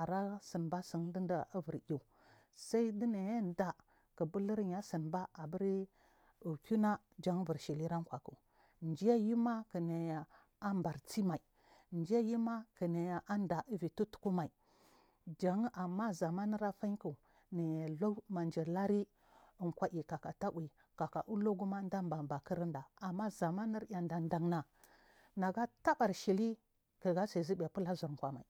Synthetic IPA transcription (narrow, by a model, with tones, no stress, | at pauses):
a˨ɾa˦sə˨nba˦si˨ŋdi˦n˦da˨a˦və˨ɾju˨ | sa˦i˦di˦na˨ja˦n˨da˨ | kə˨bu˦lə˦ɾɲa˦si˨nba˦a˨bə˦ɾi˦ | u˨kʲu˦na˦ | d͡ʒa˦ŋ˦və˨ɾʃi˨li˦ɾa˦ŋ˦kʷa˨ku˨ | nd͡ʒi˦ja˦ji˦ma˦kə˨ne˨ja˨ | a˦mba˨ɾt͡si˦ma˨i˨ | nd͡ʒi˦ja˦ji˦ma˦kə˨ne˨ja˨ʔa˦nda˨ʔi˦vi˨tu˦tu̥˨ku˦ma˨i˨ | d͡ʒa˨ŋ˦ʔa˨mːa˦za˨ma˦ni˦ɾa˦fa˦n˦ku˨ | ni˨ja˨lo˦ma˨nd͡ʒi˨la˦ɾi˦ | ə˨ŋkʷa˦ʔi˨ka˨ka˨ta˦ʔwi˨ | ka˨ka˨ʔu˦lo˦ɡu˦ma˦n˦da˦mba˨ba˨ki˦ɾi˦nda˨a˨mːa˦za˨ma˦ni˦ɾja˨nda˨nda˨ŋna˨ | na˨ɡa˦ta˦ka˨ɾʃi˨li˦ | kə˨ɡa˦sa˨zi˦ba˨pu˦la˦zu˨ɾŋ˨kʷa˨ma˨i˨